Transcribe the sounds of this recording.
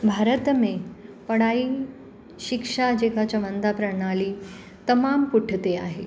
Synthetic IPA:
bʱaɾət̪mepəɽaiː | ɕikʂad͡ʑekat͡ɕəʋənd̪apɾəɽ̃aliː | t̪əmampuʈʰət̪ea̰ɦe

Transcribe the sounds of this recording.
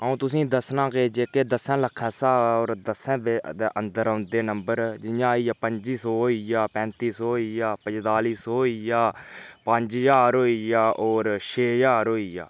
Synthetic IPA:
əũːt̪ʊsĩːd̪əsnãːkeːd͡ʒeːkeːd̪əsɛ̃ːləkʰːɛ̃ːsaːoːɾd̪əsɛ̃ːbeːd̪eːʔənd̪əɾəːnd̪eːnəmbəɾd͡ʒɪjãːiːjaːpəɲd͡ʒiːsɔːɦoijaːpɛ̃ːnt̪iːsɔːijaːpə̃d͡ʒt̪aːliːsoːijaːpəɲd͡ʒd͡ʒaːɾɦoːiːjaːʔoːɾʃeːjaːɾɦoːija̰ː

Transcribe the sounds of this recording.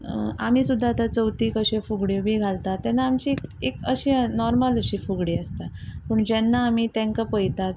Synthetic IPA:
a̰miːsud̪ʱːat̪at͡səwt̪iːkəɕefuɡɽjobʱiːɡʱalt̪at̪ːɛnːaːmt͡ɕikekəɕiːnɔɾmaləɕiːfuɡɽiːəst̪apəːɳd͡ʑɛnːaːm̤iːt̪ɛ̃ŋkapəjt̪at̪̚

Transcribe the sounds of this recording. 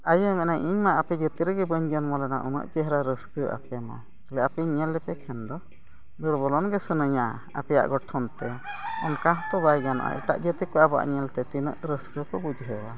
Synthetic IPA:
ajəmɛʔnajʔiɲmaʔapɛd͡ʒət̪iɾəɡɛbəɲd͡ʒənmɔlɛnaʔunə̰ʔd͡ʒəɦɾaɾəskəʔa̰pɛma̰ | lɛapɛɲɛlːɛpɛkʰɛnd̪ɔ | d̪əɾbɔlɔnɡɛsənəɲa | a̰pɛja̰ʔɡɔʈʰːɔnt̪ɛɔnkãɦt̪ɔbajɡana̰ʔa̰ʔḭʈa̰ʔd͡ʒət̪ikɔaba̰ʔɲɛlt̪ɛt̪inə̰ʔɾəskəkɔbud͡ʒɦəwa

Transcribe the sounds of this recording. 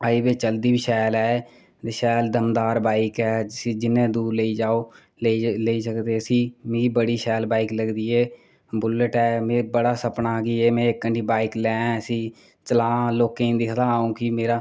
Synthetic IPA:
aibeːt͡ʃəld̪iːbiːʃɛːlɛː | t̪eʃɛːld̪əmd̪aːɾbaːɪkɛːĩːd͡ʒɪnẽːd̪uːɾleiːd͡ʒaːoː | leleːiːsəkd̪eːəsĩːmeːibəɽiːʃɛːlbaːikləɡd̪iːeː | bʊləʈɛːmeːbəɽaːsəpnaːɡiːeːmɛ̃ːɪkːəɳʈiːbaːɪklɛ̃ːəsĩː | t͡ʃəlaːloːkeĩːnd̪iːsʰət̪aːaːũːkimeːɾaː

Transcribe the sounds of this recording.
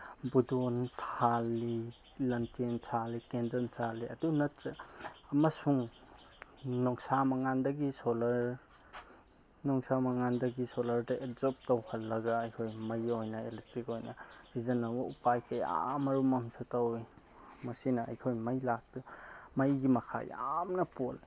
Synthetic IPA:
budontʰalːi | lɐntentʰalːikendɐnsʰaliɐdunɐtːeɐmɐsuŋ | nɔŋsamɐŋandɐɡisolɐɾ | nɔŋsamɐŋandɐɡisolɐɾdɐʔezɔp̚tɐwhɐlːɐɡɐɐjkʰojmɐjojnɐelestɾikojnɐbizɐnɐbɐupajkʰɐja̰mɐɾumɐmsʰatawi | mɐsinɐɐ̰jkʰojmɐjlak̚tumɐjɡimɐkʰa̰ja̰mnɐpol

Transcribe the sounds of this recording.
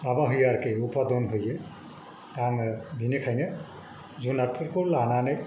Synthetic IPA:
abaɦujaɾkejupad̪ɔnɦoje | taŋbʱinikʰajne | zunaɾpʰɯɾkoɾlananaj

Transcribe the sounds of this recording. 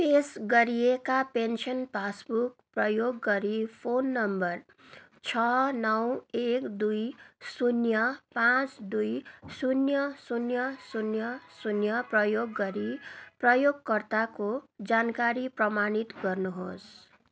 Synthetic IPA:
t̪esɡʌɾijekapensʰʌnpʰasbukprʌjoɡːʌɾipʰonːʌmbʌr | t͡sʰʌnʌwekd̪ujsunjʌpãt͡sd̪ujsunjʌsunjʌsunjʌsunjʌprʌjoɡːʌɾiprʌjoɡkʌrt̪akod͡zankaɾiprʌmanit̪ɡʌrnuɦos

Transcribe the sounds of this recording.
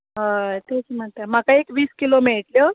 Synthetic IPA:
ɦat̪et͡sm̤əɳt̪am̤akaekʋiːskilomeɭʈljə

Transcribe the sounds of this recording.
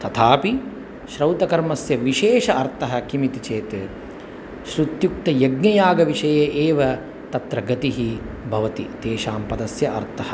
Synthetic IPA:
t̪ɐt̪ʰaːpi | ʃɾɐwt̪ɐkɐɾmɐsjɐʋiʃeːʃɐʔɐɾt̪ɐɦɐkimit̪it͡ʃeːt̪e | ʃɾud̪juk̚t̪ɐjɐɡɲɐjaːɡɐʋiʂɐjeːʔeːʋɐ | t̪ɐt̪ɾɐɡɐt̪iɦi | bʱɐʋɐt̪it̪eːʃaːmpɐd̪ɐsjɐʔɐ̰ɾt̪ʰɐɦɐ

